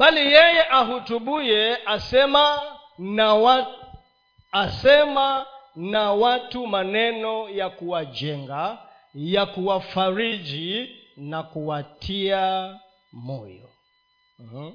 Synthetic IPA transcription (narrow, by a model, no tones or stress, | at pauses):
ɓalijɛjɛʔaɦutuɓujɛasɛma | w | sɛmanawatumanɛnɔjakuwad͡ʒɛŋɡa | jakuwafaɾid͡ʒinakuwatʰia | mɔjɔ | h̩